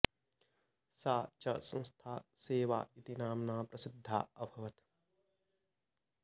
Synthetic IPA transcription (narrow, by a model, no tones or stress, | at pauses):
saːt͡ʃɐsɐ̃nst̪ʰa̰ːseːʋa̰ːit̪inaːmnaːpɾɐsɪd̪ʱːa̰ːɐbʱɐʋɐt̪